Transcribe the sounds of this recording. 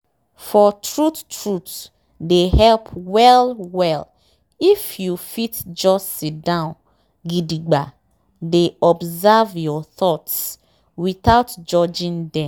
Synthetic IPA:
fɔtʰɹuttɹut | dehɛlpʰwɛlwɛl | ifjufitd͡ʒɔssitdãʊ̃n | ɡidiɡ͡ba | deɔbzavjɔθɔts | wiθaʊtd͡ʒɔd͡ʒĩndɛ̃m

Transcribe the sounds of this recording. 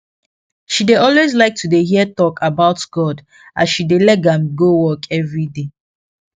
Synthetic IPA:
ʃideɔlwezlaɪk̚tʰudeɦiətɔkʰabaʊtɡ̥ɔd | asʃidelɛt̚ɡãmɡowɔkʰɛvɹide

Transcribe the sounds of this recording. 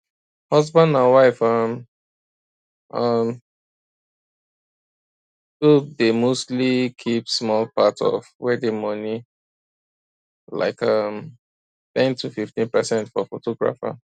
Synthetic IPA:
hʌzbãndãnwaɪfʌm | ʔʌm | dodemostlikʰipsmɔlpatɔ̰vwɛdemʌni | la̰ɪkʌm | θɛ̃ntʰufiftĩnpəsɛ̃ntfɔfotɔɡɹa̰fa̰

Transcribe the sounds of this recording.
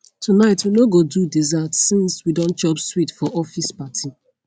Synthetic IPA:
tʰunaɪtʰwinoɡodudizatsĩnswidɔ̃n̚t͡ʃɔbswitfɔʔɔfispatʰi

